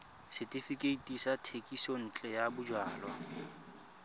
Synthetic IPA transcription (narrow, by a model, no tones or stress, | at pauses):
sɪtʼifikʼeitʼisatʰekʼisɔn̩ːt͡ɬʼɛjabʊd͡ʒwaːlwa